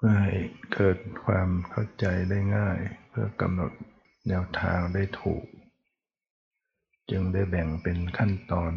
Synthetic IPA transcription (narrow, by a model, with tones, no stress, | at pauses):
pʰːha˨˩jkɤː˨˩t̪̚kʰwaː˧mkʰa˥˩wt͡ɕa˨˧jda˥˩jŋaː˥˩jpʰɯ˧˩ɐka̰˧mno˨˩t̪̚ | nɛː˧˥wt̪ʰa̰ː˧ŋda˥˩jt̪ʰṵː˨˩k̚ | t͡ɕɯ˧ŋda˥˩jbɛ˨˩ŋpe˨nkʰa˥˩˨nt̪ɔː˧n